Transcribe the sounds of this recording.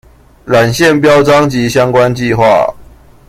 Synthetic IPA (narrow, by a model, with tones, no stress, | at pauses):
ɻa˨˩nɕjɛ˥˨npjɑ˦˥ʊʈ͡ʂɑ˦ŋt͡ɕi˨˦ɕjɑ˥˦ŋkwa˦nt͡ɕi˥˨xwa̰˥˨